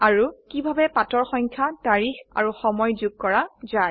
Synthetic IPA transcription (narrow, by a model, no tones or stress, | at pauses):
aɹukibʱabɛpatɔɹxɔɲkʰjataɹixa̰ɹuxɔmɔjzuɡ̚kɔɹaza